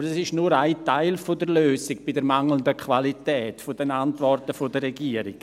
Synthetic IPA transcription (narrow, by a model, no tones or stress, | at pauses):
bəɾɛsɪʃnuːɾaɪtaɪlfodəɾløːsiɡb̥ɪdəɾmaŋləndəkʰvalitɛːtfodɛnantvɔrtəfodərɛɡiəɾḭɡ̥